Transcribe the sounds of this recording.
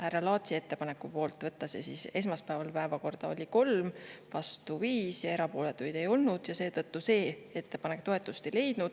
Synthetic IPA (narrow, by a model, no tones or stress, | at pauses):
hærːɑlɑːt̪sie̞t̪ːe̞pɑne̞kˑːupo̞ːlt̪ːˑvɤt̪ːˑɑsesiːse̞s̬mɑspæevɑlpæevɑko̞rd̪̥ɑo̞̰lʲiko̞lmvɑst̪uviːsjɑe̞ɾɑpo̞ːle̞t̪ːˑujd̪̥e̞jo̞lnud̪̥jɑse̞ːd̪ɤt̪ːuse̞ːe̞t̪ˑːe̞pɑne̞k̚t̪o̞e̞t̪ːˑust̪e̞jle̞jd̪̥nud̪̥